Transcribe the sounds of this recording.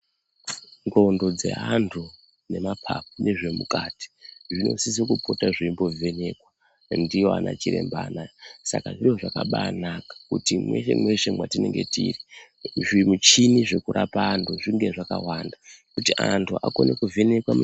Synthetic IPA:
ŋɡondo̞d͡ze̞̰ɦantʰu | ne̞mapʰa̰p̚une̞ʐe̞mukati̥ʐino̞̰sisikupotaʐiimbo̞vʱene̞kwa | ndijoana̰t͡ʃiɾe̞̰mbanasakaʐirioʐakaɓanakḁkutimweʃemwe̞ʂemwatine̞ŋɡe̞tiri | ʐimut͡ʃiniʐe̞kuɾʔapaːntʰuʐiŋɡe̞ʐakawandakutiʔantʰuako̞ne̞kuvʱene̞kwamu

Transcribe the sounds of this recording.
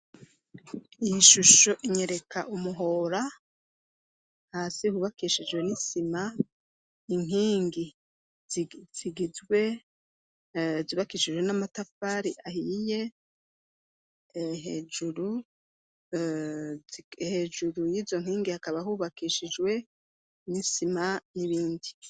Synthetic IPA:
ijiʃuʃo̞ʔiɲe̞ɾe̞kʰaʔumuɦo̞ːɾa | haːsihuːβakiʃid͡ʒɡwe̞nisima | iŋ̥iːŋɡi | z̥iɡizɡwe̞ | zuβakiʃid͡ʒwe̞namatafaɾiʔahije̞ | ɦed͡ʒuɾu | heːd͡ʒuɾujiːzo̞ŋ̥iːŋɡihakaβahuβakiːʃid͡ʒwe̞ | nisimaniβiːndi

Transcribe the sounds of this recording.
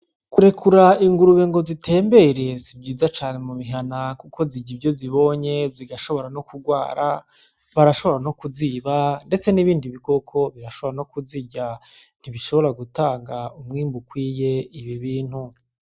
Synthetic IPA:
kuɾe̞kʰuɾaiŋɡuɾuβeŋɡo̞zitʰe̞ːmbe̞ɾe̞sibɟiːzat͡ʃaːne̞muβiɦanakukʰo̞ziɟibɟo̞ziβo̞ːɲe̞ziɡaʃo̞βo̞ɾano̞kuɡwaːɾa | βaɾaʃo̞βo̞ɾano̞kuziβande̞t͡se̞niβiːndiβiko̞kʰo̞βiɾaʃoβoɾano̞kuziɟa | n̥iβiʃo̞βo̞ɾaɡutaːŋɡaumŋiːmbukwiːje̞iβiβiːn̥hu

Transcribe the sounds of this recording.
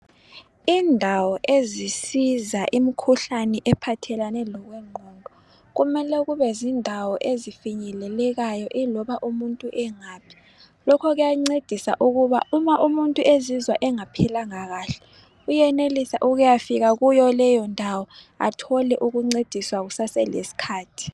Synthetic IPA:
indʱawɔʔezisizaʔimikʰuɬanɛʔɛpʰatʰɛlanɛlɔɣwɛŋ͡ǃʱɔːndʱɔ | ɣumɛlɛɣuβɛzindʱawɔʔezifiɲɛlɛlɛɣajɔʔilɔβaʔumuntʼuʔɛŋaːpʰi̥ | lɔkʰɔɣujaŋ͡ǀed̥ʱisa̰ʔuɣuβa̰umaʔumuntʼuezizwaʔɛŋapʰɛlaŋaɣaːɬɛ̥ | ujɛnelisa̰ʔuɣujafiɣaɣujɔlɛjɔndʱawɔ | a̰tʰɔlɛʔuɣuŋ͡ǀed̥ʱiswaɣusasɛlḛsi̥kʰaːtʰi̥

